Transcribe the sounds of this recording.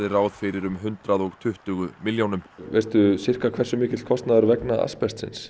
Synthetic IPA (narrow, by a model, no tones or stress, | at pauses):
ðɪraːwðfɪɾɪɾʏmɦʏnt̪ɾaðɔɣt̪ʰʏht̪ʏɣʏmiljownʏmveːst̪ʏsɪr̥kakʰvɛrsʏmɪːcɪt̪l̥kʰɔst̪naðaɾvɛknaa̰spɛst̪sɪ̰ns